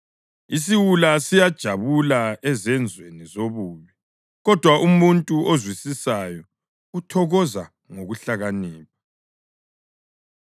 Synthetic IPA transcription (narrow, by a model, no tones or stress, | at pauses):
is̬iwulasijad̥ʒ̥ʱaβulaɛzɛnd͡zʱwenizoβuːβi | ɣɔd̥ʱwaʔumuntʼuʔozwisisajɔ | utʰɔɣɔza | ŋoɣuɬaɣaniːp̚ʰḁ